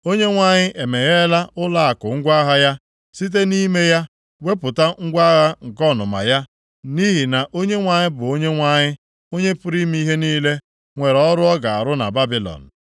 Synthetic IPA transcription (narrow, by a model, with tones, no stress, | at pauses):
o˦ɲe˦ŋʷa˨ɲɪ˦ʔe˨me˨ɣe˦la˦ʔʊ˦la˦a˨kʊ˨ŋ̩˦ɡʷa˦ɦa˦ja˦ | si˦t̬e˦ni˦me˦ja˦ | we˦pʊ˨ta˦ŋ̩˦ɡʷa˦ɣa˦ŋ̩˨kɔ˦˨nʊ̰˨ma̰˨ja˦ | ni˦ɦi˨na˨ʔo˦ɲe˦ŋʷa˨ɲɪ˦bʊ˨o˦ɲe˦ŋʷa˦ɲɪ˦ | o˦ɲe˦pʊ˦ɾi˦mi˦ɦe˦niː˦le˦ | ŋʷe˨ɾɔ˦ɾʊ˦ɔ˦ɡa˨a̰˨ɾʊ˦na̰˨ba˦bi˨lɔ̰˨n̩˨